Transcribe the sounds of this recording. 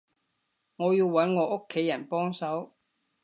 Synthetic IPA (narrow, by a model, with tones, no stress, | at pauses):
ŋɔː˨˧jiː˧wːɐ˨˥nŋɔː˨˧ʔo˥kʰːe˨˥jɐ˨˩npɔː˥ŋsɐ˨˥w